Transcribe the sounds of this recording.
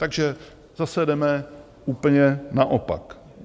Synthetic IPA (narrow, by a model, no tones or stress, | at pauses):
t̪aɡʒɛ | zasɛdɛmɛ | uːpl̩ɲɛnaʔopa̰k